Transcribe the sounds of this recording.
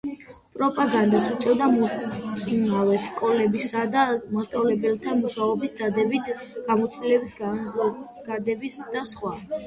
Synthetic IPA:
pʼɾɔpʼaɡand̪at̪sut̪sʼɛvd̪asʼnavɛskʼɔlɛbisad̪amast̪ʼavlɛbɛlt̪ʰamuʃaɔbisd̪ad̪ɛbit̪ʰ | ɡ̥amɔt̪sʰd̪ilɛbisz | ɡ̥ad̪ɛbisd̪̥asχwa

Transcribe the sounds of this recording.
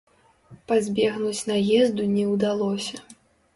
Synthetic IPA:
pazʲbʲɛɣnut͡sʲnajɛzd̪unʲɛwd̪alˠɔsʲɐ

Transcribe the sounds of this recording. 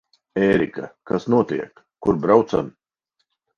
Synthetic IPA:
eːɾḭkakasnuɔt̪iɛkːuɾbɾawt̪sa̰m

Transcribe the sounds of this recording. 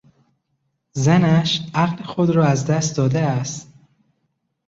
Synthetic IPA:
zænæʃæɣlexod̪ɾɒːæzd̪æst̪d̪ɒːd̪eæst̪

